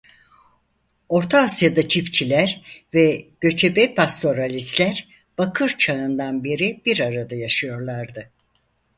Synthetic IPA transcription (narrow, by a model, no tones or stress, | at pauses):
o̞ɾt̪ʰaːsjad̪at͡ʃʰift͡ʃʰilʲæɾvɛɟ̥ø̞t͡ʃʰebɛpʰast̪ʰo̞ɾalʲist̪lʲæɾ | b̥akʰɯɾt͡ʃʰaɯnd̪anbeɾib̥iɾaɾad̪ajaʃɯjo̞ɾlˠaɾd̪ɯ